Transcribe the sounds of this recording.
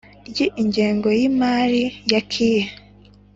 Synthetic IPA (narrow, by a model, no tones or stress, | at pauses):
jiʔiɲɟeːŋɡo̞jimaːɾijakʰije